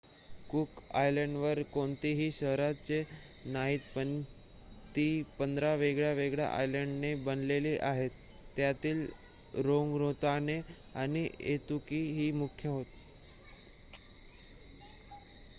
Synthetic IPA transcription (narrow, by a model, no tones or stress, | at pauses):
kuka̰jləɳɖʋəɾkoɳt̪iɦiːɕəɦɾat͡se | naɦit̪̚pən | t̪iːpənd̪ɾaʋeɡɭjaʋeɡɭja̰ʔa̰jləɳɖnebənleliːʔaɦet̪ː | jat̪iːl | ɾoŋɡɾot̪ane | aniḛt̪ukiɦiːmukʰjəɦot̪